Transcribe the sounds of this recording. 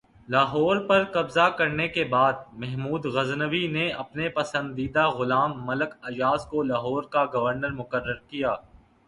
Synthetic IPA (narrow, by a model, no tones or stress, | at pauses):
laːɦɔːɾpɐɾkɐbzakɐɾnekebaːd̪̚mɛɦmuːd̪ɣɐznəʋineɐpnepɐsə̃nd̪iːd̪aɣʊlaːmːɐləkɐd͡ʒaːzkolaːɦɔːɾkaɡɐʋəɾnəɾmʊkəɾːəɾkijaː